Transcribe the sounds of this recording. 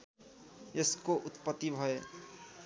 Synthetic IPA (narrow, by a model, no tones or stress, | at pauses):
eskoʔut̪pət̪ːibʱʌe